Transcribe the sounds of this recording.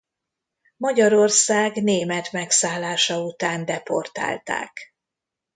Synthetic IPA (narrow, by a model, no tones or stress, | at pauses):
mɒɟɒɾo̞rsaːɡneːmɛt̪mɛksaːlːaːʃɒut̪aːnd̪ɛpo̞̰rt̪a̰ːlt̪a̰ːk